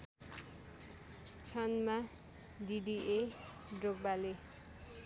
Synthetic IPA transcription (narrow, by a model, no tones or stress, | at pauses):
t͡sʰʌnma | diɖiʔe | ɖroɡ̚bale